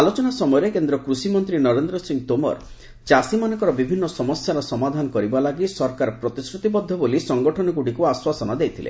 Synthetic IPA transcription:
alot͡ʃɔnasɔmɔjɔɾekend̪ɾɔkɾusimɔnt̪ɾinɔɾend̪ɾɔsiŋt̪omɔ̰ɾ | t͡ʃasimanɔŋkɔɾɔbibʱinːɔsɔmɔsjaɾɔsɔmad̪ʱanɔkɔɾibalaɡisɔɾkaɾpɾɔt̪iskɾut̪ibɔd̪ʱːɔbolisɔŋɡɔʈʰɔnɔkuʈikuaswasɔnɔd̪ejt̪ʰilḛ

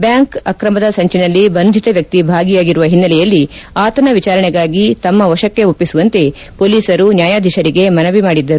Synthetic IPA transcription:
bjaːŋkɐkɾɐmɐd̪ɐsɐɲt͡ʃinɐlːibɐnd̪ʱit̪ɐʋjɐk̚t̪ibʱaːɡijaːɡiɾuʋɐɦinːɐlɛjɐlːiaːt̪ɐnɐʋit͡ʃaːɾɐɳɛɡaːɡit̪ɐmːɐʋɐʃɐkːe̞upːisuʋɐnt̪e̞ | poːliːsɐɾunjaːjaːd̪ʱiʃɐɾiɡe̞mɐnɐʋimaːɽid̪ːɐɾu

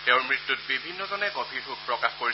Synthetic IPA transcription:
teʊ̃ɹmɹitːut̚bibʱinːɔzɔnɛkopʰiɹɦuk̚pɹɔkaxkoɹi

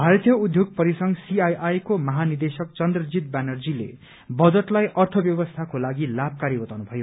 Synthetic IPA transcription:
bʱaɾʌt̪jʌud̪ʱjoɡ̚pʌɾisʌŋsiajajkomʌɦanird̪esʌkt͡sʌnd̪rʌd͡zit̪̚banʌrd͡zilḛ | bʌd͡zʌʈlajʌrt̪ʰʌbjʌbʌst̪ʰakolaɡilab̚ʱkaɾibʌt̪awnubʱʌjo

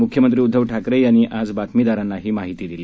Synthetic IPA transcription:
ukʰjəmənt̪̬ɾiːud̪ʱːəʋʈʰakɾəjañiʔad͡zbat̪mid̪aɾãnːaɦiːmaɦit̪iːd̪ili

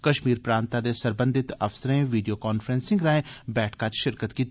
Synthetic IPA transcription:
kəʃmiːɾpɾãːnt̪ad̪eːsəɾbə̃nd̪ɪt̪əfsɾẽʋiːɖijoːkɔːnfʰɾɛ̃ːnsɪ̃ŋɡɾaːẽːbɛːʈʰkat͡ʃʃɪɾkət̪kiːt̪

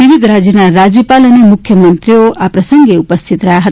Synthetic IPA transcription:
ibid̪ʱɾad͡zjənaɾad͡zjəpalʌnemukʰjʌmənt̪ɾijoapɾʌsʌŋɡeupʌst̪ʰit̪ɾʌɦaɦʌt̪

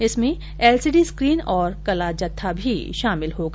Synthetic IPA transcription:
ɪsmẽ | ɛːlsiɖiskɾiːnɔːɾkɐlad͡ʒɐt̪ʰːabʱḭʃaːmɪlɦoːɡa

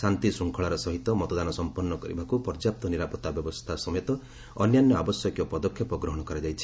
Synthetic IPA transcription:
sant̪isɾuŋkʰɔɭaɾɔsɔɦit̪ɔmɔt̪ɔd̪anɔsɔmpɔnːɔkɔɾibʱakupɔɾd͡ʒap̚t̪ɔniɾapɔt̪abjɔbɔst̪ʰasɔmɔjet̪ɔ | ɔnjanjɔabɔsjɔkjɔpɔd̪ɔkʰːjɔpɔɡɾɔɦɔɽ̃ɔkɔɾad͡ʒajt͡ʃʰi̥

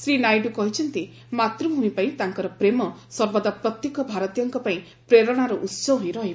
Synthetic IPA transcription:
sɾinajɖukɔɦit͡ʃʰɔnt̪i | mat̪ɾuɦuĩpaĩt̪aŋkɔɾɔpɾemɔsɔɾbɔd̪apɾɔt̪jekɔbʱaɾɔt̪ijɔŋkɔpaĩ | pɾeɾɔɽ̃aɾɔʔut̪sɔɦũĩɾɔɦib

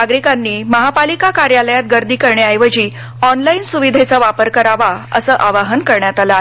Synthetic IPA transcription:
aɡɾikanːiːməɦapalikakaɾjaləjat̪̚ɡəɾd̪ʱiːkəɾɳeajʋəd͡ʑiː | ɔnlainsuʋid̪ʱet͡saʋapəɾkəɾaʋaə̰səʔaʋaɦənkəɾɳjat̪ala

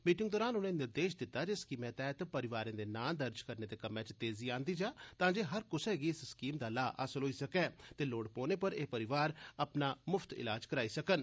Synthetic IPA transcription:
miːʈɪ̃ŋɡ̚d̪ɔːɾaːnʊnẽːnɪɾd̪eːʃd̪ɪt̪ːaːd͡ʒɪskimɛ̃ːt̪ɛːt̪pəɾɪʋaːɾẽːd̪eːnãːnd̪əɾd͡ʒkəɾneːd̪eːkəmɛ̃ːt͡ʃt̪eːziːãːnd̪iːd͡ʒaːt̪ãːd͡ʒeːɦəɾkʊsɛːɡiːɪsskiːmd̪aːlaːʔə̰səlɦoːiːsəkɛ̃ːt̪eːloːɽpoːneːpəɾeːpəɾɪʋaːɾəpnaːmʊfʰt̪ɪ̰laːd͡ʒkəɾaːiːsəkən

